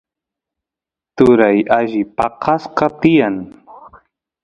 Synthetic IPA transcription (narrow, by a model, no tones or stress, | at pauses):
t̪ʊɾajaʒɪpɑqɑsqɑt̪ɪjaŋ